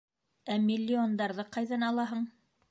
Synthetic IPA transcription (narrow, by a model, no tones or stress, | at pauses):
æmʲɪlʲːɪond̪ɑɾðɤqɑjðɑnɑlˠɑɦɤɴ